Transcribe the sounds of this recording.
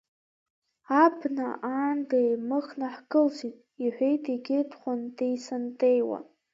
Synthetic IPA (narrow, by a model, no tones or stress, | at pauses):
abʰnaaːndejmɨχnaħɡɨlsʷitʼiħʷᶣejtʰʼiɡʲepʰχʷondejsantʼejwa̰